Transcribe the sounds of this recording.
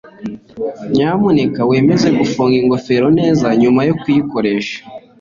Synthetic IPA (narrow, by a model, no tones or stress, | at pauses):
ɲaːmunekawe̞ːme̞ze̞ɡufuːŋɡiŋɡo̞fe̞ɾo̞ne̞ːzaɲumajokujiko̞ɾe̞ːʃḁ